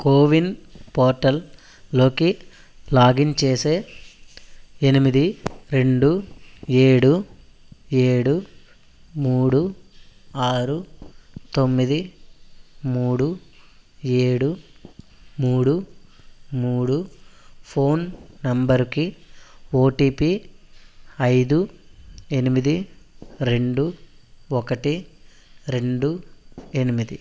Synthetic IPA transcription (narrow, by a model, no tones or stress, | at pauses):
koːʋinpoːɾʈɐlː | o̞ːki | laːɡint͡ʃe̞ːse̞ː | enimid̪iɾe̞ɳɖue̞ːɽu | eːɽu | muːɽu | aːɾut̪o̞mːid̪i | muːɽu | eːɽu | muːɽu | muːɽupʰo̞ːnnɐmbɐɾki | oːʈiːpi | ɐjd̪u | e̞nimid̪iɾe̞ɳɖuɔkɐʈi | ɾe̞ɳɖue̞nimid̪i